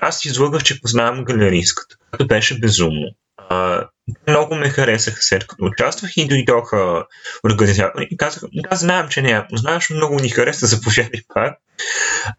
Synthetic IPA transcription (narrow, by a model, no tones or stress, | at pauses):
asizlˠɤɡəxt͡ʃɛpoznavɐmɡɐlɛɾiskə̥t̪ə̥kojɛt̪obɛʃɛbɛzumno̰ | ə | t̪ɛmnɔɡʊmɛxɐɾɛsəxə̥slɛt̪kɐ̥t̪oːt͡ʃast̪vəxid̪ojd̪ɔxə | oɾɡɐnizat̪oɾikazəxd̪azznaɛmt͡ʃɛnɛapoznavɐʃmnɔɡʊnixɐɾɛsəzɐpoʒjad̪ɐjpʰak̚